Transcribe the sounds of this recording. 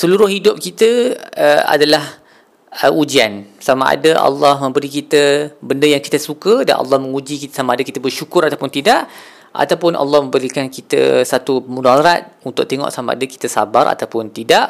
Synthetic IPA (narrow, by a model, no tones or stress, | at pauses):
səluɾʊhɦidʊp̚kit̪əəa̰dalah | ʔud͡ʒiansama̰ʔa̰daʔɑ̰lːɔhmə̃mbəɾikit̪əbəndəjaŋkit̪əsukəda̰nʔɑ̰lːɑhməŋud͡ʒikit̪samaadakit̪əbərʃukʊɾat̪apʊnt̪idaʔ | ʔa̰t̪awpʊnʔɑ̰lːɑhməmbəɾikankit̪ə̰sat̪umunalɾat̪̚unt̪ʊʔ̚t̪eŋɔ̰ʔsamaa̰daki̥t̪əsabaɾa̰t̪awpʊnt̪idaʔ